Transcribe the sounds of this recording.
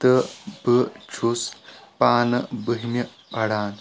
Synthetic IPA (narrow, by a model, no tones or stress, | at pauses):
t̪əbət͡ʃʰuspaːnɐbəɦimʲɐ | pɐɽaːn